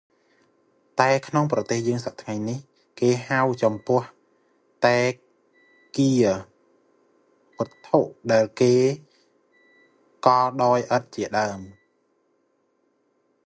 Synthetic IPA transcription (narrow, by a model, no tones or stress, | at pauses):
t̪aɛkʰnoŋprɑt̪eːhjəːŋsaʔ̚t̪ʰŋajɲnih | keːɦawt͡ɕɑmpʊ̆əh | t̪aɛ | kiə | pə̆t̪ʰːoʔɗaɛlkeː | kɑːɗaːjʔət̪̚t͡ɕiəɗaəm